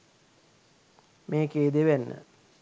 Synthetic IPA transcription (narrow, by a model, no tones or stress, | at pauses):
meːkeːd̪eʋænːə̰